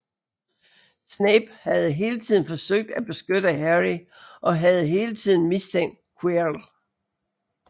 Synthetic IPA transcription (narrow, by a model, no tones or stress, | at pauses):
sneb̥hæð̞̩ˠɦe̝ːlət͡sʰið̰ˠn̩fɒ̽søɡ̥̚d̥æb̥e̝sɡ̥ød̥əɦæʁi | ʔɒ̽ɦæð̞̩ˠɦe̝ːlət͡sʰið̰ˠn̩mist͡sʰeŋ̰d̥̚kʰwel